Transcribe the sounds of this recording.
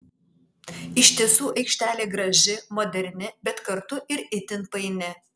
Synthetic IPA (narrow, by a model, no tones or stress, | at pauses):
ɪʃʲt̪ʲiɛsuːʔɐɪkʃʲt̪ʲæːlʲeːɡɾɐʒʲɪmoːd̪ʲɛɾʲnʲɪbʲɛt̪kɐɾt̪ʊʔɪɾɪt̪ʲɪnpɐɪnʲɪ